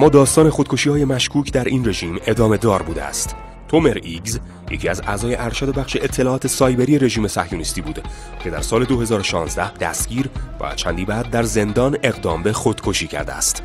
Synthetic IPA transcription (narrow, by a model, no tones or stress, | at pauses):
mːɒːd̪ɒːst̪ɒːne̞xod̪̚kʰo̞ʃiːhɒːje̞mæʃkʰuːcʰd̪æɾʔiːnre̞ʒiːme̞d̪ɒːme̞d̪ɒːɾbuːd̪ḛæ̰st̪ | t̪ʰomeɾiɡz | jecʰiːæzæ̰ːzɒːje̞ʔæɾʃæd̪o̞bæχʃeet̪ʰːe̞lɒːɒːt̪ʰe̞sɒːjbe̞ɾijeɾe̞ʒiːme̞sæ̰hjunist̪iːbuːd̪ | cʰe̞d̪æɾsɒːle̞d̪o̞he̞zɒːɾoʃɒːnzd̪æhd̪̥æ̰sɡ̥ɟiːɾvæ̰t͡ʃʰæ̰nd̪iːbæːd̪̚ːæɾze̞nd̪ɒːne̞ɣd̪ɒːmbe̞xod̪̥kʰoʃiːcʰæ̰ɾd̪ḛæ̰st̪